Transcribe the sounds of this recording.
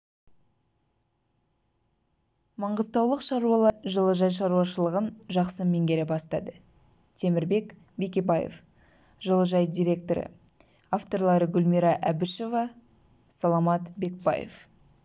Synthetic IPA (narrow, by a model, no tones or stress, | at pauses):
mɑɴʁəzt̪ɑwlˠəqʃɑɾuɑlˠɑʒəlˠəʒɑjʃ̬ɑɾuɑʃəlˠəʁənʒɑqsəme̞ŋɡʲe̞ɾebɑst̪ɑd̪ə | t̪ʰe̞mɪɾbe̞k | be̞kʲe̞bɑjḛf | ʒəlˠəʒɑjd̪ʲijɾʲe̞k̚t̪o̞ɾə̰ | aft̪o̞ɾlˠɑɾəɡʲʊlmiɾɑʔæbɪʃo̞vɑ | sɑlˠɑmɑt̪be̞k̚bɑ̰jḛf